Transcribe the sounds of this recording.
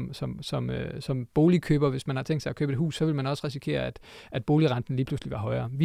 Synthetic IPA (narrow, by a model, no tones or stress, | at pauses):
msɒ̽msɒ̽møsɒ̽mb̥o̝ːlikʰøːb̥ɐʋe̝smænhɑ̈t͡sʰeŋɡ̥d̥sɑækʰøːb̥e̝dɦṵːsːɒ̽ʋe̝lmænɒ̽sʁisikʰe̝̰ːɐæd̥ | ʔæd̥b̥o̝ːliʁɑ̈nd̥n̩liːpʰlusliʋɑ̈ɦɒ̽ɪɐːʋi